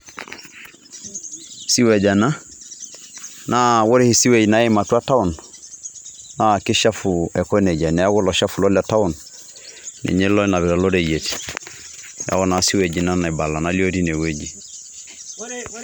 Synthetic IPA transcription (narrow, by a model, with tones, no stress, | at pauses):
si˦we˨ɟa˨na˦ | nawo˦ɾi˦hi˨si˦we˦ɟina˦jema˨tu˦a˦ta˦u˨n | naki˦ʃa˦fue˨ko˦ne˨ɟa˨ne˨jaɡo˦lo˨ʃa˦fulo˦la˨ta˦unː | ḛ˨ɲe˦lo˦na˨βi˨ɾa˨lo˦ɾeje˨t | ja̰ɡo˦na˨si˦we˨ɟi˨na˦na˨i˨ba˨lːa˨nali˦o˦ɾi˦ne˨we˦ɟi˨